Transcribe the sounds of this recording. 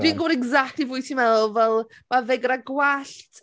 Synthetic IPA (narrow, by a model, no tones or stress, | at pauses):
diːnɡʊɾɛɡzak̚tlivʊɨtʰimɛðˠvɛlˠ | maveɡəɾaɡwaɬt